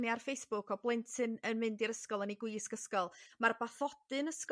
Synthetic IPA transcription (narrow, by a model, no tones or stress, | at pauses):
njarfejsb̥ʊkʰɔblˠɪntʰɨnənmɨndiɾəskɔlˠəniɡwɪskəskɔlˠmarbaθɔd̥ɨnəsk